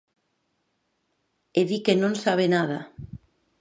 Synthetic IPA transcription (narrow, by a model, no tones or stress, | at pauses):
eðikenõnsaβ̞enað̞a